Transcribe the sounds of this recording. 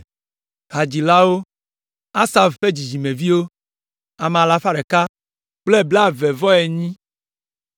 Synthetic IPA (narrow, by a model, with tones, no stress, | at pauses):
ɣa˨d͡ʑi˨la˦wo˦ | a˦sa˨vɸe˦d͡ʑi˨d͡ʒi˨mẽ˨vi˦wo˦ | a˨m˨a˨la˨fa˦ɖɛ˨ka˦ | k͡ple˦˨ble˦a˨vɛ˨vɔ˦ɛ˨ɲĩ˦